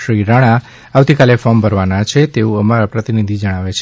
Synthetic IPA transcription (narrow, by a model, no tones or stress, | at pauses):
ʃɾiɾaɽ̃a | awt̪ikalefɔmbʱəɾʋanat͡ʃʰet̪eũəmaɾapɾət̪inid̪ʱid͡ʒəɽ̃aʋet͡ʃʰ